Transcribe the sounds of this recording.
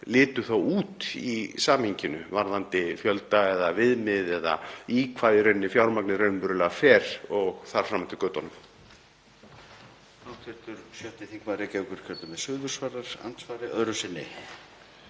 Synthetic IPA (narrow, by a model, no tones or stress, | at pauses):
lɪːt̪ʏθawuːt̪isaːmhiɲcɪnʏvaɾðant̪ɪfjœlt̪aɛðavɪðmɪðɛða̰ikʰvaːðɪɾœɥnːɪfjawɾmaknɪɾœɥnpʏɾʏlɛɣafɛːɾ̥ɔɣθaɾ̥fɾaːmːant̪ɪ̥kœːt̪ɔnʏm | awt̪ʰɛ̥t̪ʏɾsjœht̪ɪθiŋkvaːɾɪcɛvkʏɾ̥cʰɛɾt̪ʏmɛðsʏːðvʏɾ̥svaːɾaɾ̥a̰nt̪svaːɾɪʔœðɾʏsɪnːɪ̰